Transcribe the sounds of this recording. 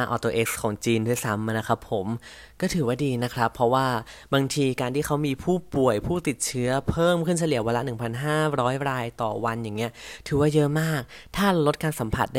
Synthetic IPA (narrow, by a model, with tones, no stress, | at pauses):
a˧ʔɔː˧t̪oː˧ʔe˦˥k̚skʰɔː˩˦ŋt͡ɕiː˧ndu˥˩ə˨jsa˦˥mʔna˦˥kʰɾa˦˥pʰːo˨˩˦m | kɔː˥˩t̪ʰɯː˨˩˦waː˥˩diː˧na˦˥kʰɾa˦˥pʰːɾɔ˦˥waː˥˩baː˧ŋt̪ʰiː˧kaː˧nt̪iː˥˩kʰa˦˥wmiː˧pʰuː˥˩pu˨˩əjpʰuː˥˩t̪i˨˩t̪̚t͡ɕʰɯ˦˥ɐpʰɤː˥˩mkʰɯ˥˩nt͡ɕʰa˧li˨˩˦ɐwa˧la˦˥nɯ˨˩ŋpʰa˧nɦaː˥˩ɾɔː˦˥jɾaː˧jt̪ɔː˨˩wa˧njaː˨˩ŋːi˦˥ɐt̪ʰɯː˨˦waː˥˩jɤ˦˥maː˥˩k̚t̪ʰaː˥˩la˧lo˦˥t̪̚kaː˧nsa˩˦mpʰa̰˨˩t̪̚da˥